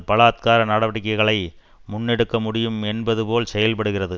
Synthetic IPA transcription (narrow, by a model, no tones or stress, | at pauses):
pɐlaːt̪̚kaːɾɐnɐɽɐʋɐɽɪk̬ːɐɪɣɐɭɐɪ | mʊnːɛɽɯkːɐmʊɽɪjɯmɛnbɐðɯpoːlsɛjɐlpɐɽɯɣɪrɐðɯ